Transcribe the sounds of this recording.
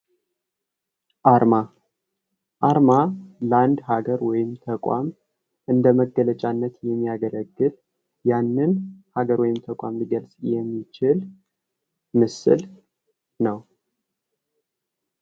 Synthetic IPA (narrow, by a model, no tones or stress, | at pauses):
ʔaɾma | ʔaɾmaləand̪ɦaɡəɾwɔjɪmt̪ʰəkʼa̰m | ʔɨnd̪əməɡələt͡ʃʼanːət̪jɛmːijaɡələɡːɨl | janːɨnhaɡəɾwɔjɪmt̪ʰəkʼamliɡəlsʼjɛmːit͡ʃɪl | mɨsɨ̰l | nəw